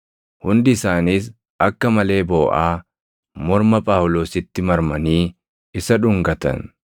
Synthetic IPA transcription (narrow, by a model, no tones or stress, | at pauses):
hʊnd̪ɪɪsaːniːs̬ | ʔɐkːɐmɐle̞ːboːʔaː | mɔɾmɐpʼaːwʊlo̞ːsɪt̪ːɪmɐɾmɐniː | ɪsɐᶑʊŋɡɐt̪ɐ̰n